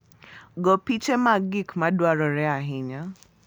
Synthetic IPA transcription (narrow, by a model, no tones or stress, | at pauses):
ɡɔpit͡ʃɛmaɡikmadwaɾɔɾɛaɦɪɲa